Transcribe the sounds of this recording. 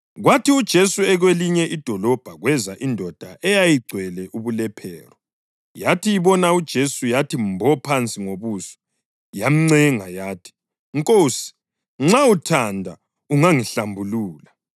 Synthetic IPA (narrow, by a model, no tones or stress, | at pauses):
ɣwatiud̥ʒ̥ʱesuɛɣweliɲɛʔid̥ʱɔlɔb̥ʱaɣwɛzaʔindʱɔd̥ʱaʔɛjajiɡ͡ǀʱwɛlɛʔuβulɛpʰɛ̰ːrɔ | jatʰijiβɔnaud̥ʒ̥ʱesujatʰimbʱɔpʰant͡sʼiŋoβuːsɔ̥ | jam̩ŋ͡ǀɛŋajaːtʰi̥ | ŋkʼoːsi̥ | ŋ͡ǁautʰandʱa̰ | uŋaŋiɬambʱuluːla